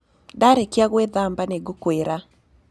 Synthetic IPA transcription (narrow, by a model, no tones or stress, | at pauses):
daɾekjaɣwɛðambaneɡokweɾa